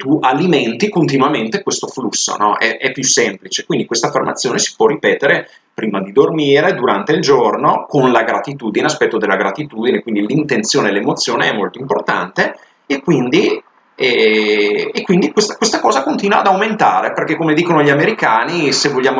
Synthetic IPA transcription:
t̪ualimɛnt̪ikont̪̬inwament̪ekwest̪oflusːo̰nɔʔɛ̰ʔɛpːjusːɛmplit͡ʃekwind̪ikwest̪afːḛrmat̪sːjoːnesi̥pwɔrːipɛːt̪eɾe | pɾiːmad̪id̪ormiːɾed̪uɾant̪eild͡ʒornokonlaɡɾat̪it̪uːd̪ineaspɛt̪ːod̪elaɡɾat̪it̪uːd̪inekwind̪ilint̪ent̪sjoːnelemot̪sːjoːneɛmːolt̪oimport̪a̰nt̪e | ekːwind̪i | ɛ | ekːwind̪ikwest̪akwest̪akɔːzakont̪iːnwa̰ːd̪awment̪aːɾeperkekːomed̪iːkonoʎiameɾikaːnisevoʎːaːmo

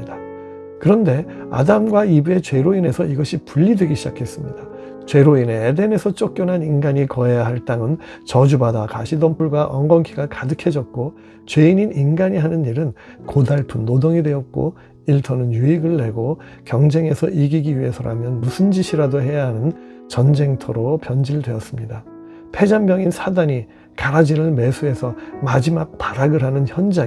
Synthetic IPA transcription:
da | kɯɾʌnde̞ | a̰damɡwaibue̞t͡ɕwe̞ɾoine̞sʰʌiɡʌɕʰipuʎːidwe̞ɡiɕʰid͡ʑakʰe̞s͈ɯmɲida | t͡ɕwe̞ɾoine̞ːde̞ne̞sʰʌt͡ɕ͈ok̚k͈jʌnɦaninɡaɲikʌejaɦaɭt͈aŋɯnt͡ɕʌd͡ʑubadakaɕʰidʌmpʰuɭɡwaʔʌ̰ŋɡʌnkʰiɡakadɯkʰe̞d͡ʑʌt̚k͈o | t͡ɕwe̞iɲininɡaɲiɦanɯniɾɯn | kodaɭpʰɯnːodoŋidwe̞ʌt̚k͈o̰ | iɭtʰʌnɯnjuiɡɯɭːe̞ɡo | kjʌŋd͡ʑe̞ŋe̞sʰʌʔiɡiɡiɥiɦe̞sʰʌɾa̰mjʌnmusʰɯnd͡ʑiɕʰiɾadoɦe̞jaɦanɯn | t͡ɕʌnd͡ʑe̞ŋtʰʌɾopjʌnd͡ʑiɾɭdwe̞ʌs͈ɯmɲida | pʰe̞d͡ʑambjʌŋinsʰadaɲi | kaɾad͡ʑiɾɯɭme̞sʰue̞sʰʌmad͡ʑimak̚taɾaɡɯɾɦanɯnçjʌnd͡ʑa

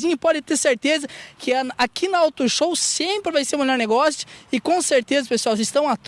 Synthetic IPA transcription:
zĩɲɐpɔd̪ɪt̪eɾseɾt̪ezɐkʰɪɐakʰinɐawt̪ʊʃowsẽmpɾɪvajseɾʊ̃melɔɾneɡɔsjʊ̥ɪkõseɾt̪ezɐpesuawsɪst̪ɐ̃w̃at̪

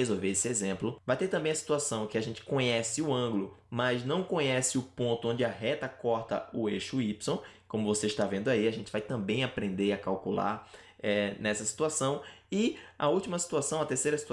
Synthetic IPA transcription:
ezowveesɪezẽmplʊvajt̪eɾt̪ɐ̃mbẽj̃ɐsi̥t̪uasɐ̃w̃kɪaʒẽnt͡ʃɪ̥kõɲɛsɪʊɐ̃ɡlʊmɐznɐ̃w̃kõɲɛsɪʊpõnt̪ʊõd͡ʒɪaɦɛt̪ɐkɔɾt̪ɐ̰ʊeʃʊipsõw̃ | kõmʊvoseɪʃt̪avẽnd̪ʊaiaʒẽnt͡ʃɪ̥vajt̪ɐ̃mbẽj̃apɾẽnd̪eɾɐkawkula̰ɾ | ɛnɛsɐsi̥t̪uasɐ̃w̃ɪɐ̰uwt͡ʃimɐsi̥t̪uasɐ̃w̃ɐt̪eɾsejɾɐsit̪ua

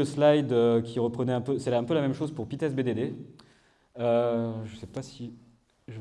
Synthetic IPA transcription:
əslajd̪økʲʰiʁəpχənɛɛ̃pøsɛɛ̃pølamɛmʃozpuʁpit̪ɛsbed̪ed̪e | øʒəsɛpasi | ʒə

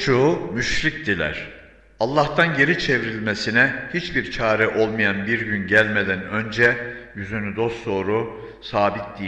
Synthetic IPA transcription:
t͡ʃʰomyʃɾic̚d̪ilʲæ̰ɾ̥ | alˠːaht̪ʰanje̞ɾit͡ʃʰe̞vɾilʲmesinɛhit͡ʃbiɾt͡ʃʰaːɾɛʔo̞lˠmijanbiɾɟynɟælʲmed̪ænø̞nd͡ʒɛjyzynyd̪o̞st̪so̞ːɾu | saːbit̪̚d̪i

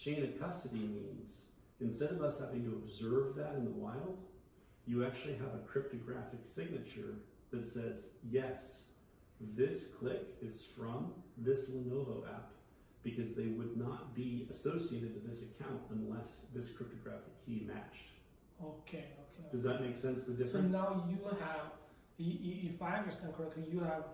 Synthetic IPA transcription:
t͡ʃʰẽɪ̃nɨ̥kʰʌstɨɾimḭ̃nz̥ | ɨ̃nstɛɾʌvʌshævɪ̃ŋtɨːbzɜ˞vðɨɾɨ̃nðəwaɪlˠd | jɨæk̚t͡ʃʉl̩ˠiɨvɨkʰɹ̥ɪp̚tɨɡɹæfɨksɪɡ̚nɨt͡ʃə̰˞ | ðɨtsɛzjɛs | ðɪskʰl̥ɪkɨz̥fɹʌ̃mðɪslənoʊvoʊʔæ̰p | b̥ɨkʰʌzðeɪwədⁿnət̚b̥iɨsoʊsieɪɾɨd̚tɨðɪsɨkʰãʊ̃ntə̃nlɛsðɪskʰɹ̥ɪp̚tɨɡɹæfɨkʰimæ̰t͡ʃt̚ | oʊkʰeɪokʰed̥ʌzðɨt̚meɪksɛ̃nsðɨdɪfsɹɨnnaʊjɨəv | ɨiifaɪ̃ə˞sɛ̃nkʰə˞ɛk̚tˡlijɨəv

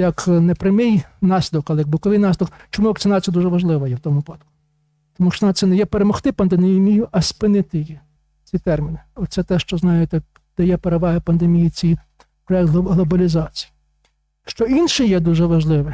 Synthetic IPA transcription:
jɐknɛpɾɪmɪjnɑsʲɪd̪ɔkɐlˠɛjɐɡ̚bʊkɔʋɪjnɑsʲd̪ɔkt͡ʃɔmuʋɐkt̪t͡s̪ʲɪnɑt͡sʲijɐd̪uʒɛʋɐʒlˠɪʋɐjɛwt̪ɔmʊpɑt̪kʊ̥ | t̪ɔmuʃt͡ʃɔnɐt̪sɛnɛjɛpeɾemɔxt̪ɪpɐnd̪enmʲijʊʔɐspɪnɪt̪ɪji | t͡sʲit̪ɛrmʲinɪɔt̪sɛt̪ɛʃt͡ʃɔznɑjet̪ɛ | d̪̥ɐjɛpeɾeʋɑɦɪpɐnd̪emʲijit͡sʲij | pɾɔjɛk̚t̪ɦɦlˠɔbɐlʲizɑt͡sʲiji | ʃt͡ʃɔinʃɪjɛd̪uʒɛʋɐʒlˠɪʋɪ

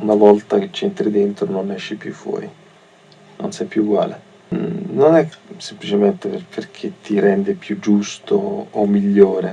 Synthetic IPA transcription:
unavɔlt̪aket͡ʃːɛnt̪ɾid̪ent̪ɾononːɛʃːipjṵfːwɔ̰ːɾḭ | no̰nsɛjpːjuːɡwa̰ːle | nːonɛsemplit͡ʃement̪epepʰerk̟ʰet̪ːiɾɛnd̪epjud͡ʒust̪oːmːiʎːoːɾe

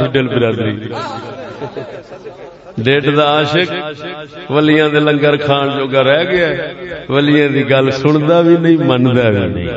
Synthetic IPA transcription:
ɪɖəlbɪɾaːd̪ɾḭː | ɖeːʈd̪aːaːʃək | ʋəlɪjãːd̪eːləŋɡəɾkʰaːnd͡ʒoːɡaːɾɛːɡɪaːʋəlɪjãːd̪iːɡəlsʊɳ̃d̪aːʋiːnəĩːmənd̪aːʋḭːnə̰ḭ̃ː

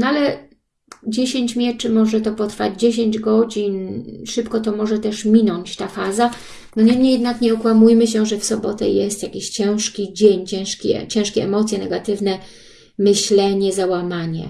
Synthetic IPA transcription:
nalɛ | d͡ʑeɕeɲt͡ɕmʲjɛt͡ʂɘmɔʐɛt̪ɔpɔt̪ɾfa̰d͡ʑd͡ʑeɕeɲd͡ʑɡɔd͡ʑinʂɘpkɔt̪ɔmɔʐɛt̪ɛʂmʲinɔɲt͡ɕt̪afaza | d̪ɔɲɛmɲejɛd̪nakɲɛɔkwamujmɘɕ̬ɛʐɛfsɔbɔt̪ɛ̰jɛst̪jakʲiɕt͡ɕɛ̃w̃ʂkʲid͡ʑeɲt͡ɕɛ̃w̃ʂkʲɛ̰t͡ɕɛ̃ʂkʲɛɛmɔt̪sʲjɛnɛɡat̪ɘvnɛ | mɘɕlɛɲɛzawamaɲɛ̰

